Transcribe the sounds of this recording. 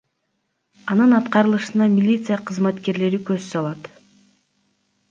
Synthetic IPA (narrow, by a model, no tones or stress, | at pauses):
ɑnɯnɑt̪qɑɾɯlˠɯʃɯnɑmʲilʲit̪sɨjaqʰɯzmɑt̪ke̞ɾle̞ɾikøzsɑlˠɑt̪